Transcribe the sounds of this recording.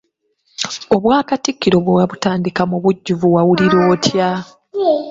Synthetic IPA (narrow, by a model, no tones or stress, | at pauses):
o̞βwaːkatikːiɾo̞βwewaβutaːndikamuβuɟːuvuwawuliɾo̞ːtʰja